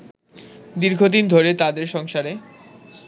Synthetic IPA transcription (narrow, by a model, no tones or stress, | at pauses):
d̪iɾɡʱod̪ind̪ʱoɾet̪ad̪eɾʃɔŋʃaɾe